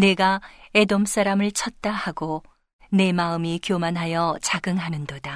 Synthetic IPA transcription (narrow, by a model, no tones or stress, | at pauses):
ne̞ɡae̞doms͈aɾamɯɭt͡ɕʰʌt̚t͈ahaɡo | ne̞maɯmikjomanɦajʌt͡ɕaɡɯŋɦanɯndoda